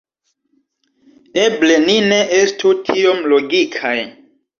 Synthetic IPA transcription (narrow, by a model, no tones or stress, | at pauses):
eble̞nineʔestʰutʰio̞mloɡikʰaj